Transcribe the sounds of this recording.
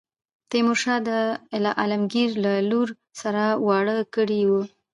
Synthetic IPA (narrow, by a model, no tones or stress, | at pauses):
t̪emoʃɑd̪əɪlɑʔalamɡiɾlaluɾ | saɾawɑɽəkəɽiwu